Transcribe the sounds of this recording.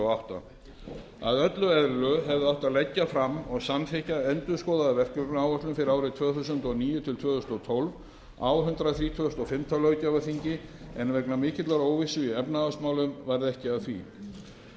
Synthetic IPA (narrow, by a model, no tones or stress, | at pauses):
awht̪a̰ | a̰ðœt̪lʏɛðɾlʏɦɛvðaht̪aðlɛcːafɾamːɔɣsanθɛhcaɛnt̪ʏ̥skɔːwðaðavɛr̥kʏnaːwœt̪lʏmfɪɾɪɾaːwɾɪt̪ʰv̥œːθus̬ʏnt̪ɔniːjʏt̪ʰɪlt̪ʰvœːθusnɔt̪ʰɔlv | a̰wɦʏnt̪ɾaθɾiːt̪ʰvœːθst̪ɔfɪmt̪ʰawlœːɥcavaθiɲcɪɛnvɛknamɪːcɪt̪laɾoːwvɪsʏiɛpnaasmaːwlʏmvaɾðɛhcɪaðθvi